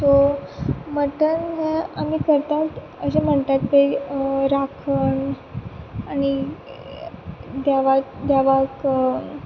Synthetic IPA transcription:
t̪o | məʈənɦeamiːkəɾt̪at̪ | əɕem̤əɳt̪at̪teɾakʰəɳ | aɽ̃i | d̪aʋad̪aʋak

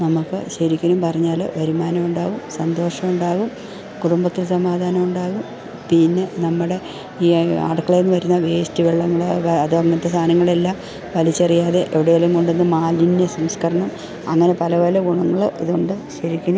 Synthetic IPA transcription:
nɐmukːɨɕɐɾikʲːɐnumpɐrɐɲːaːlo̰ʋɐɾumaːnɐmuɳɖaːɣumsɐnd̪o̞ːʂɐmuɳɖaːɣum | kuɽumbɐt̪ːilsɐmaːd̪ʱaːnɐmuɳɖaːɣum | pinːe̞nɐmːuɽe̞ | iːa̰ːɽɐkːɐɭenːɨʋɐɾunːɐʋe̞ːstiʋeɭːɐŋːɐɭʋɐðɨɐŋːɐnt̪ːɐst̪ʰaːnɐŋːɐɭe̞lːaːm | ʋɐlit͡ɕːɐrijaːðe̞ʔeʋiɽejɐlɐŋkoɳɖenːɨmaːlinjɐsɐmskɐɾɐɳɐm | ɐ̰ŋːɐne̞pɐlɐʋɐlɐɡuɳɐŋːɐɭɨiðuɳɖɨɕɐɾikʲːɐnum

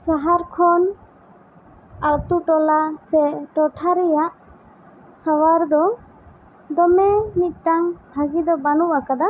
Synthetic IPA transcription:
saɦaɾkʰɔn | akt̪uʈɔlasɛʈɔʈʰaɾɛjaʔ | sawaɾd̪ɔ | d̪ɔmɛmit̪̚ˀtaŋbʱaɡid̪ɔbanuʔakad̪a

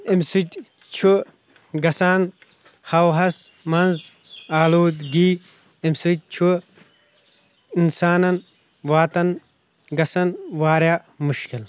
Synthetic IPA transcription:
imsut̪ʲ | t͡ʃʰu | ɡɐsaːn | hɐwɦɐs | mɐnz | aːluːd̪ɡiː | imsut̪̚ʲt͡ʃʰu | insaːnɐn | waːt̪ɐn | ɡɐsɐnwaːɾja | muʃkil

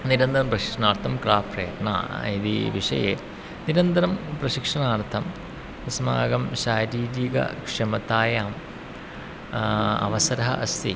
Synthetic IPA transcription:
niɾɐnd̪ɐɾɐmprɐɕi̥kʂɐnaːɾt̪ʰɐmkɾaːfrɐːɐɾɳa̰ːiðḭʋiʂɐ̰jḛː | niɾɐnd̪ɐɾɐmprɐɕikʂɐnaːrt̪ʰɐm | isɐma̰ːɡɐmɕaːɾiːɾiɡɐ̰kʂɐmɐt̪aːjaːm | ɐ̰ʋɐsɐɾɐɦɐʔɐst̪ʰi

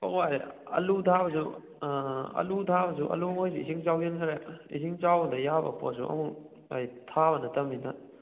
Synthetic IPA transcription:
pokwaɾeɐ̰lutʰabɐsu | ɐ̰lutʰabɐs̬uʔɐ̰luojs̬iisiŋt͡ʃawjenkʰɐɾeḭsiŋt͡ʃawdɐjabɐ̰po̰sṵʔɐ̰mu | ajtʰaβɐnɐtɐminɐ̰

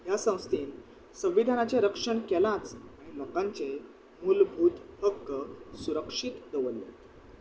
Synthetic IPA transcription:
jasə̃w̃st̪ʰiːn | sə̃w̃ːid̪ʱanat͡ɕjeɾəkʂəɳkɛlãt͡saɽ̃iməkãɲt͡se | mulbʱuːt̪həkːsuɾəkʂiːt̪d̪əʋəlːḛ

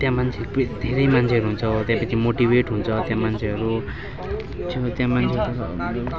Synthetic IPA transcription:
t̪jãmant͡sʰeʌɾupd̪ʱeɾʌjmant͡sʰeʌɾuɦunt͡sʰʌt̪jãpʌt͡sʰimoʈibeʈɦunt͡sʰʌt̪jãmant͡sʰeʌɾu | t͡sʰot̪jãmanʰeɾut̪ʌ

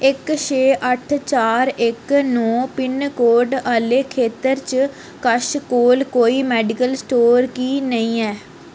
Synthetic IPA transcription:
ɪkʃʰeːʔəʈʰt͡ʃaːɾɪknɔ̃ːpɪnkoːɾɖaːleːkʰeːt̪əɾt͡ʃ | kəʃkoːlkoːiːmɛːɖɪkəlsʈoːɾkiːnəĩːɛː

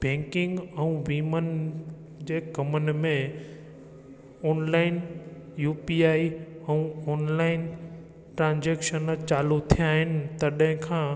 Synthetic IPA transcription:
bʱɛ̃ːŋkɪ̃ŋɡɛ̃ũʋiːmən | d͡ʑeːkɐmən̆mẽ | ɔːnlaːɪn | juːpiaːiɛ̃ũɔːnlaːɪn | ʈɾãːnd͡ʑeːkʃənt͡ɕaːlut̪ʰijaːɦɪnɪ̆t̪ɐɗɦɪ̃kʰãː

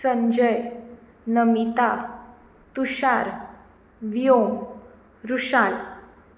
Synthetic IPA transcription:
səɲd͡ʑəj | nəmit̪a | t̪uɕaɾ | ʋijom | ɾuɕal

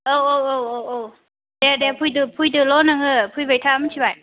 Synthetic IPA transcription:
owowowowow | dedɛpʰujdɯpʰujdɯlɔnaŋɯpʰujbajtʰamɯtʰibaj

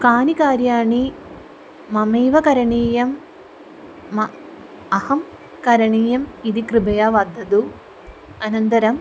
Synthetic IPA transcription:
kaːnikaːɾjaːɳi | mɐmiːʋɐkɐɾɐɳiːjɐm | ɐ | ɐhɐm | kɐɾɐɳiːjɐmid̪ikɾibɐjɐʋɐd̪ʱːɐd̪u | ɐnɐnt̪ɐɾɐm

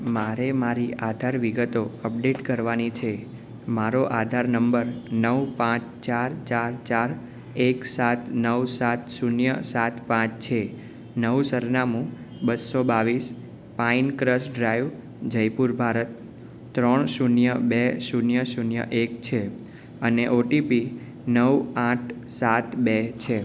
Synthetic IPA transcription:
maɾemaɾiad̪ʱaɾʋiɡət̪oəp̚ɖeʈkəɾʋanit͡ʃʰe | maɾoʔad̪ʱaɾnəmbəɾnəʋpãt͡ʃt͡ʃaɾt͡ʃaɾt͡ʃaɾ | eksat̪ʰnəwsat̪sunjəsat̪ʰpãt͡ʃt͡ʃʰe | nəʋsəɾnamũ | bəsobaʋis | painkɾəsɖɾajʋ | d͡ʒəjpuɾbʱaɾət̪̚ː | ɾəɳsunjəbesunjəsunjə̰ʔek̚t͡ʃʰe | əneʔoʈipi | nəwãʈʰ | sat̪bet͡ʃʰe

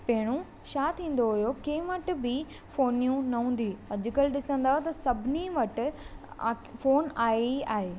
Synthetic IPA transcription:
pɐ̃ɦɪɽ̃ũ | ʃaːt̪ʰĩːn̆d̪oɦʊjokẽʋɐʈ̆bɪ | foːnijũnɐɦũːn̆d̪iːɐd͡ʑkɐlɗɪsə̃nd̪aːt̪ɐsɐbʱɪniʋɐʈ̆ː | foːnaːeaːɦeː

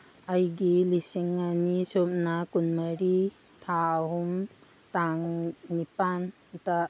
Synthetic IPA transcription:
ajɡilisiŋːanisop̚nakunmaɾi | tʰaːɦum | taŋnipan | ta

